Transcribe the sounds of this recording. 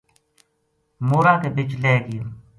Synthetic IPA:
moːɾãːkeːbɪt͡ʃleːɡɪjoː

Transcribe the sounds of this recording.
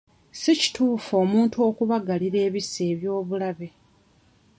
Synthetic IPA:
sici̥tuːfo̞ːmuːntuo̞ːkuβaɡaliɾe̞ːβise̞ːβjo̞ːβulaβe̞

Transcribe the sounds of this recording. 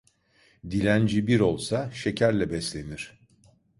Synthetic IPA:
d̪ilʲænd͡ʒibiɾo̞lˠsaʃe̞cʰæɾlʲɛbɛslʲe̞niɾ̥

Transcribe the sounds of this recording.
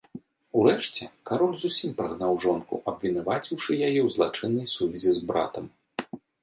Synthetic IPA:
uɾɛʂt͡sʲɛkaɾɔlʲzusʲimpɾaɣnawʐɔnkṵʔɐbvʲinavat͡sʲiwʂɨjajɛwzlˠat͡ʂɨnːɐjsuvʲɛzʲizbɾa̰t̪ɐm

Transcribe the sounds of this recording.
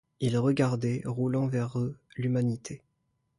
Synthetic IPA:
ilʁəɡaʁd̪ɛʁulɑ̃vɛʁølymanit̪ʰe

